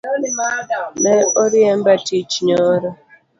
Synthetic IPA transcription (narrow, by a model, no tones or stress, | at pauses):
neoɾiem̩batit͡ʃɲɔɾɔ